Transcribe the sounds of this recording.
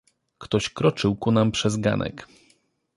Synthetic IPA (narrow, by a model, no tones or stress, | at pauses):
kt̪ɔɕkɾɔt͡ʂɘwkunampʂɛzɡa̰nʔɛ̰k